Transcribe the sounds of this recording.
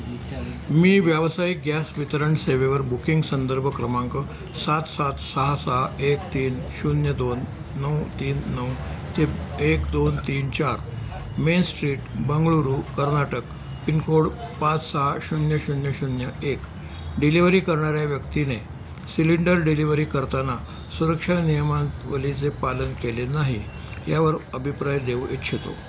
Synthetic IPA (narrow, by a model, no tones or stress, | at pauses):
miːʋjaʋsajiɡjasʋit̪əɾəɳseʋeʋəɾbukiŋɡsənd̪əɾbʱəkɾəmaŋkə | sat̪sat̪səɦasəɦaekt̪iːnɕunjəd̪onː | əwt̪iːnːəwt̪eekd̪ont̪iːnt͡ɕaɾ | mensʈɾiːʈbəŋɡɭuɾuːkəɾnaʈək | pinkoɽpãt͡ssaaɕunjəɕunjəɕunjəek | ɖiliʋəɾiːkəɾɳaɾjaʋjəkt̪ine | siliɳɖəɾɖiliʋɾiːkəɾt̪ana | suɾəkʂanijəmãnt̪ʋəlit͡sepalənkelenaɦi | jaʋəɾəbʱipɾajd̪eʋit̪ɕʰet̪o̰